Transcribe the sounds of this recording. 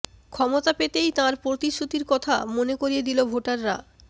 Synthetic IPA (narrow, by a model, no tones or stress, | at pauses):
kʰɔmot̪apet̪ejt̪ãɾpɾot̪iʃot̪iɾkɔt̪ʰa̰monekoɾijed̪ilobʱoʈaɾːa̰